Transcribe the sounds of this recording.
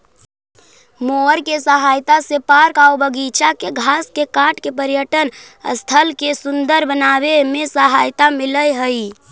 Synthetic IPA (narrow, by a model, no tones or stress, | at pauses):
moəɾkesəɦaːjt̪asepaːɾkaobəɡit͡ʃakeɡʱaːskekaːʈʰkepəɾjəʈən | ə̰st̪ʰəlkesʊnd̪əɾbənaːʋemẽsəɦaːjt̪amɪləjɦəi